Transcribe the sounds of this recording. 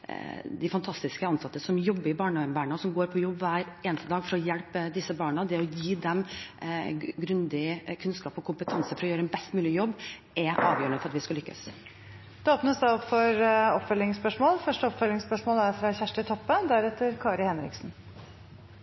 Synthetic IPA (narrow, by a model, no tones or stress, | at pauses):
d̪ɛfɑnt̪ʰɑst̪ɪskəɑnsɑt̪ːəsɔmjɔbːəɾɪbɑːɳɑnbæːɳəɔsɔmɡoːɾpʰɔjɔbːʋæːɾeːnəst̪əd̪ɑːɡfɔɾɔjɛlpd̪ɪsːəbɑːɳəd̪ɛɔjiːd̪ɛm | ɡɾʉnd̪ɪkʰʉnskɑːpɔkʰʊmpət̪ʰɑnsəfɔɾɔjøːɾəɛnbɛst̪mʉːlɪjɔbː | ʔɛʔɑ̰ːʋjøːəɳəfɔɾɑt̪ʋɪskɑlʏkːə̰s | d̪̥ʉoːpnəsd̪ɑɔpfɔɾɔpfœlɪŋspœʂmoːlfœʂʈəɔpfœlɪŋspœʂmoːlæɾfɾɑçæʂʈət̪ʰɔpːəd̪æɾɛt̪ːəɾkʰɑːɾɪhɛnɾɪ̰ksn̩